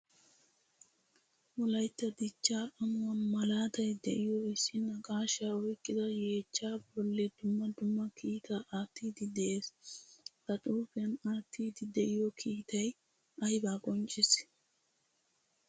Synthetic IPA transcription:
wɔlɐjt̪ːɐd̪ɪt͡ʃːaːʔɐmʊwɐnmɐlaːt̪ɐjd̪ɛʔɪjoɪsːɪnɐkʼaːʃaːɔjkʼːɪd̪ɐjeːt͡ʃːaːbɔlːɛd̪ʊmːɐd̪ʊmːɐkʰiːt̪aʔaːt̪ːiːd̪ɪd̪ɛʔeːs | k̪ɐt̪ʼuːfɪɐnaːt̪ʰːiːd̪ɪd̪ɛʔɪjokʰiːt̪ɐj | ɐjbaːkʼɔnt͡ʃʼɪs

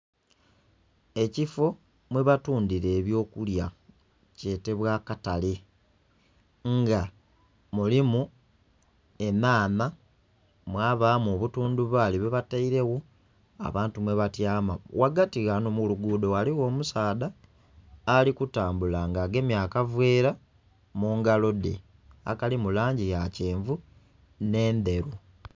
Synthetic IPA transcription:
e̞cifo̞ | mwe̞βatuːndiɾe̞ːβjo̞ːkulja | ce̞te̞βwaːkatali | ŋɡa | mulimu | e̞naːna | mwaːβaːmoβutuːnduβaliβeβataiɾe̞ɣo | a̰βaːntumwe̞βatjaːmawaɡatiɣanomuluɡuːdo̞waliwo̞ːmusaːdaː | likutaːmbulaŋɡaɡe̞mjaːkavweːɾa | muːŋɡalo̞dḛ | a̰kalimulaːɲɟijaceːɱvu | ne̞ːnde̞ɾu

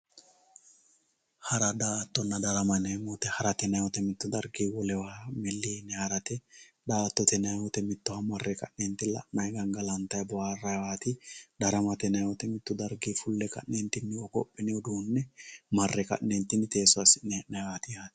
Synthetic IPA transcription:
hɐɾɐd̪aːt̪ːɔnːɐd̪ɐɾɐmɐnɐmɔt̪ɛhɐɾɐt̪ɛnɐjwɔt̪ɛmɪt̪ːʊd̪ɐɾɡiːwɔlɛwaːmɛlːiːnːɛhɐɾɐt̪ɛd̪aːt̪ːɔt̪ɛnɐjwɔt̪ɛmɪt̪ːɔhɐmɐrːɛkɐ̰ʔnɛnt̪ːɪlɐ̰ʔnɐjɡɐŋɡɐlɐnt̪ɐjbɔaːrːɐjwaːt̪ɪd̪ɐɾɐmɐt̪ɛnɐjwɔt̪ɛmɪt̪ːʊd̪ɐɾɡiːfʊlːɛkɐ̰nnɛnt̪ɪnːɪwɔkɔpʼːɛnɪʊd̪uːnːɛmɐrːɛkɐ̰ʔnɛnt̪ːɪnɪt̪e̞ːsɔasɪneːʔnɐjwaːt̪ɪjaːt̪

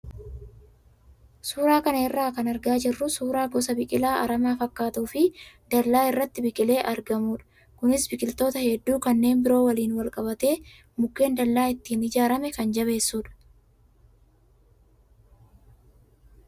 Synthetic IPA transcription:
suːɾaːkɐnɐɪrːaːkɐnɐɾɡaːd͡ʒɪrːʊsuːɾaːɡɔsɐbɪkʼɪlaːʔɐɾɐmaːfɐkːaːt̪uːfɪ | d̪̥ɐlːaːɪrːɐt̪ːɪbɪkʼɪle̞ːʔɐɾɡɐmuːᶑɐ̥ | kʊnɪsbɪkʼɪlt̪o̞ːt̪ɐhɛd̪ːuːkɐnːe̞ːnbɪɾo̞ːwɐliːnwɐlkʼɐbɐt̪e̞ː | mʊkːe̞ːnd̪ɐlːaːɪt̪ːiːnɪd͡ʒaːɾɐmɛkɐnd͡ʒɐβe̞ːsːuːᶑɐ̥

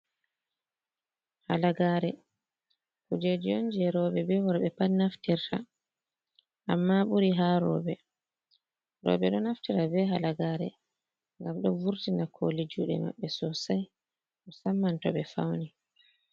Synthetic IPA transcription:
halaɡaːɾɛ | kud͡ʒed͡ʒijond͡ʒɛɾɔːɓɛbɛwɔɾɓɛpannaftiɾtʰa̰ | ʔamːaɓuɾiɦaɾɔ̰ːɓɛ | ɾɔ̰ːɓɛɗɔnaftiɾabɛɦalaɡaːɾɛ̰ | ŋɡamɗɔnvuɾtinakʰo̰lid͡ʒuːɗɛ̰ma̰ɓːɛsɔsaj | ʔɔsamːantɔɓɛfa̰wni

